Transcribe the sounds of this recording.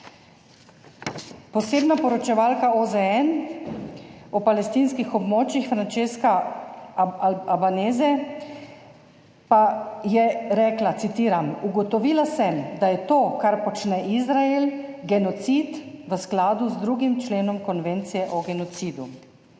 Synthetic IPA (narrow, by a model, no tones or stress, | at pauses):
pɔseːbnapɔɾɔt͡ʃɛʋaːlkaɔzɛɛn | ɔpalɛst̪iːnskixɔbmoːt͡ʃixfɾant͡ʃeːska | abaneːzɛ | pajɛɾɛːklat̪sit̪iːɾamuɡɔt̪ɔʋiːlasɛmd̪ajɛt̪oːkaɾpɔt͡ʃnɛʔizɾaelɡɛnɔt̪sit̪ʋəsklaːd̪uzd̪ɾuːɡimt͡ʃleːnɔmkɔnʋeːnt̪sijɛʔɔɡɛnɔt̪siːd̪u